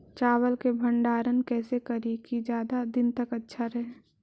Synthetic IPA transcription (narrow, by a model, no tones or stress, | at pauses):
t͡ʃaːwəlkebʱə̃ɳɖaːɾənkɛːsekɐɾikid͡ʒjaːd̪ad̪ɪnt̪ɐkɐtːʃʰaɾɛɦe